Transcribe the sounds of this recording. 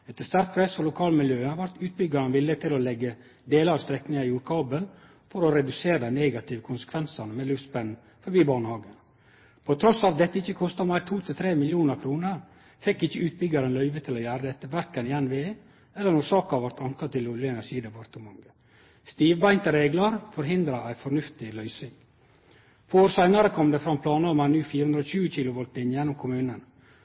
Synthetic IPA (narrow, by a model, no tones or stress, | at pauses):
ɛt̪ːəst̪ɑɾt̪̚pʰɾɛsɔlʊkʰɑːlmɪljøːʋɑɾt̪ʉːt̪̚bʏɡɑɾənʋɪlɪət̪ʰɪlɔlɛɡːə | d̪eːləɾɑʋst̪ɾɛknɪŋɑɪuːɾkʰɑːbəl | fɔɾɔɾɛd̪ʉseːɾəneːɡɑt̪ʰɪʋəkʰʊnsə̥kʰʋɛnsɑnəmɛlʉfspɛn | fɔɾbiːbɑːɳəhɑːɡən | pʰɔt̪ʰɾɔsɑʋd̪ɛt̪ːəɪçːəkʰɔst̪ɑmæɪɾt̪ʰuːt̪ʰɪlt̪ʰɾeːmɪljuːnəɾkʰɾuːnəɾ | fɛkːɪçːəʉːt̪̚bʏɡɑɾənlœʏʋət̪ʰɪlɔjæːɾəd̪ɛt̪ːəʋæɾkənɪjɛnːʋeː | ɛlːənuːsɑːkɑʋæɾt̪ɑŋkɑt̪ʰɪlɔlɪəɛnæɾʂiːd̪ɛpʰɑɾt̪əmɑŋə | st̪iːʋbæɪnt̪əɾeːɡlɑɾfɔɾɦɪnd̪ɾɑæɪfɔnʉft̪ɪlœʏsɪŋ | pʰɑoːɾsæɪnɑɾəkʰɔmd̪ɛfɾɑmpʰlɑːnɑɾmɑnʉːfiːɾəʉnd̪ɾɔɕʉːəçɪlʊʋɔlt̪ɪnjɛnːʊmkʰʊmʉːnən